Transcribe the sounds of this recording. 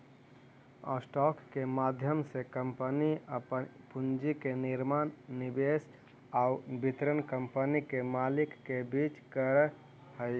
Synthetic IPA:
ɔ̰sʈɔːkːemaːd̪ʱjəmsekəmpəniəp | pund͡ʒikeniɾmaːnːibeːs | aːubit̪ɾənkəmpənikemaːlɪkːebit͡ʃkəɾ | ɦəɪ

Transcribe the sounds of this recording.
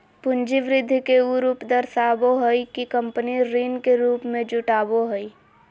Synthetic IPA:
pʊnd͡ʒiʋɾɪd̪ʱːikeuɾuːpd̪əɾsaːboɦɔikikə̃mpəniɾiːnkeɾuːpmẽd͡ʒʊʈaːboɦoi

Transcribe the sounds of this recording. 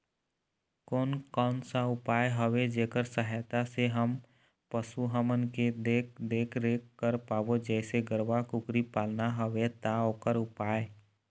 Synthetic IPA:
koːnkɔːnsaʊpaːeɦəwed͡ʒeːkəɾsəɦajt̪aseɦəm | pəsuɦəmənked̪ekd̪eːkʰɾekːəɾpaːwod͡ʒɛːseɡəɾʋakʊkɾipaːlnaɦəwet̪aoːkəɾʊpaːe

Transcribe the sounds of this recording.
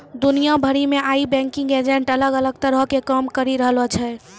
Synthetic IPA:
d̪unijabʱəɾimeaibɛ̃ŋkĩŋɡed͡ʒeɳʈələɡələɡt̪əɾəɦkekəmkəɾiɾəɦlɔt͡ʃʰɛ

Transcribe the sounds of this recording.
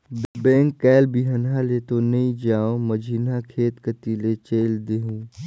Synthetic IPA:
d̪bẽːŋkːɛːlbiɦənɦalet̪onɐĩd͡ʒaːõməd͡ʒʱiːnakʰeːt̪kət̪ilet͡ʃeːld̪eɦũː

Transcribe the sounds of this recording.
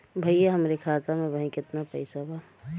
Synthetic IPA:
bʱɐɪjaɦɐmɾekʰaːt̪amẽbɐɦĩkɪt̪napɐɪsaba

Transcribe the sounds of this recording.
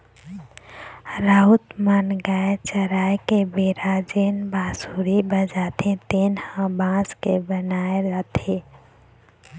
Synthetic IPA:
ɾaːɦut̪manɡaːet͡ʃəɾaːjkebeːɾaːd͡ʒeːnbaːsuːɾibəd͡ʒaːt̪ẽt̪eːnhãbãːskebənaːeɾaːt̪ʰe

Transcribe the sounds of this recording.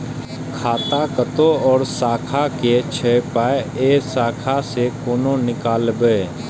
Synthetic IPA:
kʰaːt̪akət̪oɔːɾsaːkʰaket͡ʃʰɛpaːeeːsaːkʰasekoːnõnɪkaːlbəe

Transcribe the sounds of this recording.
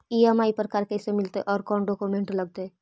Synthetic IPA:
iəmaːipɾəkaːɾkɛːsemɪlt̪eʔɔːɾkɔːnɖoːkumẽɳʈləɡ̚t̪e

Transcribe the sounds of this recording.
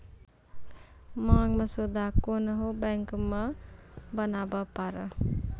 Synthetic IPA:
maŋməsud̪akonəɦobɛŋkməbənabəpaɾə

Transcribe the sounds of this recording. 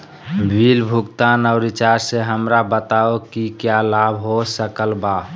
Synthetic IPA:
bʱilbʱukt̪anɔʊɾit͡ʃaɾseɦəmɾabət̪aokikjalabʱɦosəkəlba

